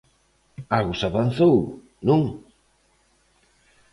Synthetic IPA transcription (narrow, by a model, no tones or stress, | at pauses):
alɣʊsaβan̟θow | nũŋ